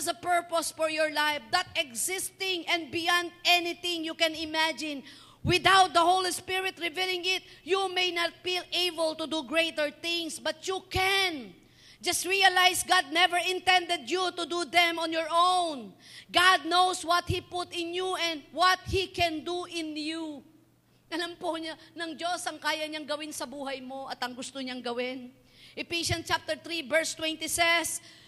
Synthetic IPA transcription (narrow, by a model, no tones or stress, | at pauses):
səpɛɹpɔsfɔɹjɔɹlajfd̪at̪̚ɛɡzɪst̪ɪ̃ŋɛ̃nd̪̚bɪjãnd̪̚ɛnɪθɪ̃ŋjukɛ̃nɪmæd͡ʒɪ̃n | wɪd̪awt̪̚d̪ɐhowlispɪɹɪt̪ɹɪvilˠɪ̃ŋɪt̪̚jumejnat̪̚fileɪbəlt̪ud̪uɡɹet̪əɹθɪ̃ŋsbɐt̪jukɛn | d͡ʒʌst̪̚ɹialajsɡad̪̚nɛvəɹɪ̃nt̪ɛ̃nd̪ɛd̪̚jut̪ʊd̪ud̪ɛ̃mɔ̃njɔɹʔõwnɡad̪̚nowswɔt̪̚hipʊt̪ɪ̃njuɛ̃nd̪̚wɔt̪̚hikɛ̃nd̪uʔɪ̃nju | ʔɐlampoɲanɐŋd͡ʒosɐŋkaːjɐɲaŋɡɐwɪnsɐbuːɦɐjmo̞ʔɐt̪ɐŋɡʊst̪oɲaŋɡɐwɪn | ʔɪpiʃɐnt͡ʃap̚t̪ɛɹt̪ɹivɛɹst̪wɛ̃nt̪isɛs